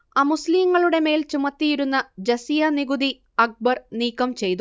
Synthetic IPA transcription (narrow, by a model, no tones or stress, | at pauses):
aːmusliːŋːɐɭuɽe̞me̞ːlt͡ɕumɐt̪ːijiɾunːɐd͡ʑɐsijɐniɡud̪i | ɐk̚bɐrniːkːɐmt͡ɕe̞jt̪u